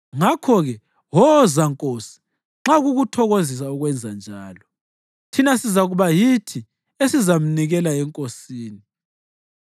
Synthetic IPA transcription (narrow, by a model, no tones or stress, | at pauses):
ŋakʰɔɣɛ | ɦɔzaŋkʼosi̥ | ŋ͡ǁaɣuɣutʰɔɣozis̬auɣwɛnd͡zʱand͡ʒʱaːlɔ | tʰinasizaɣuβajitʰi | esizam̩niɣɛlaɛŋkʼosiːni